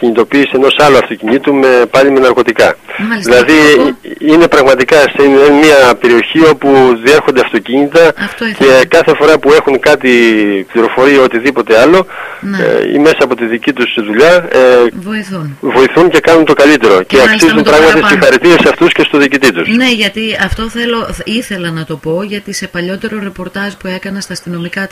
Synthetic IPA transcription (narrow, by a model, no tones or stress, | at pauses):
ciɲit̪o̞piːse̞no̞sɐloɐft̪o̞ciɲit̪ume̞pɐlimenɐɾko̞t̪ikɐðilɐði | ine̞pɾɐɣmɐt̪ikɐseenmiɐpe̞ɾio̞çio̞puðie̞ɾxo̞nd̪eɐft̪o̞ciɲit̪ɐce̞kɐθe̞fo̞ɾɐpue̞xuŋkɐt̪ipliɾo̞fo̞ɾiɐo̞t̪iðipo̞t̪e̞ɐlo̞n̰ḭme̞sɐːpo̞t̪iðicit̪usiðuʎɐ | voiθunvo̞iθunce̞kɐnunt̪o̞kɐlit̪e̞ɾo̞ceɐkkssizumtpɾɐɣmɐt̪ist̪isxɐɾit̪iɾesɐft̪usce̞st̪oðiːcit̪it̪usne̞ʝɐt̪iɐft̪o̞θe̞lo̞iθe̞lɐnɐt̪o̞po̞ʝɐt̪ise̞pɐʎo̞t̪e̞ɾoɾe̞po̞ɾt̪ɐzpue̞kɐnest̪ɐːst̪ino̞mikɐt̪